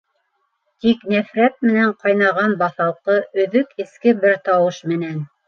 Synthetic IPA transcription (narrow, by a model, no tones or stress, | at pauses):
t̪iknæfɾæt̪̚mɘ̆næɴqɑjnɑʁɑnbɑθɑlˠqɤʔɵ̆ðɵkɘ̆skɘbɘɾt̪ɑwɤʃmɘ̆næn